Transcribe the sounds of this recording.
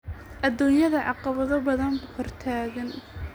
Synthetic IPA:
ʔɐd̪ːuːnjɐðɐʕɑqɑβɐðɔbɐðɐnbʊhɔrt̪ʰaːɣɐn

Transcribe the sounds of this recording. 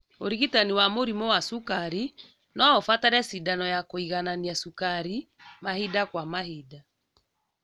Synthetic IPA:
oɾiɣitaniwamoɾimɔwasukaɾi | nɔofataɾɛsidanɔjakoiɣananiasukaɾi | mahidakwamahida

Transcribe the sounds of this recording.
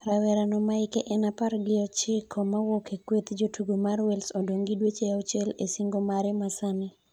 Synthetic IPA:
ɾawɛɾanɔmaɪkeʔɛnapaɾɡɪɔt͡ʃɪkʰɔmawokekwet̪d͡ʒotuɡomarwɛlsodoŋɡidwet͡ʃeɔt͡ʃɛlesiŋɡomaɾɛmasanɪ

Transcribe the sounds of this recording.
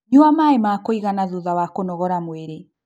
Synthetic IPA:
ɲuamaemakoiɣanaðuðawakonɔɣɔɾamweɾe

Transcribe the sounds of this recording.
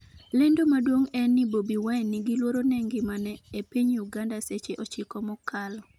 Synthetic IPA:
lɛndomadwoŋɛnːibobiwaɛnːɪɡilwoɾonɛŋɡɪmanɛepiɲuɡandaset͡ʃeʔɔt͡ʃɪkɔmɔkʰal

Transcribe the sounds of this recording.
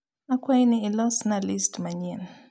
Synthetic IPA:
akwainilɔsnalistmaɲin

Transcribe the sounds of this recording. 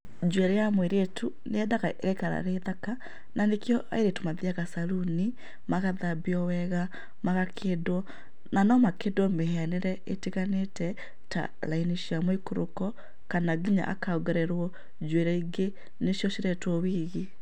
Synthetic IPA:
d͡ʒwɛɾejamweɾetʰu | neɛdaɣaʔeɣekaɾa̰ɾeðaka | nanekjɔʔa̰eɾetomaðiaɣasaɾuni | maɣaðabiɔwɛɣa | maɣakʰedwɔ | nanɔmakedwɔmehɛaneɾɛeteɣanetɛ | ta̰ | lainiɕjamɔikoɾo̰kɔ | kanaɡiɲa̰ʔa̰kaoɣɛɾɛɾwɔ | d͡ʒwɛɾɛiɡe | neɕjɔʃiɾɛtwɔwiːɣe

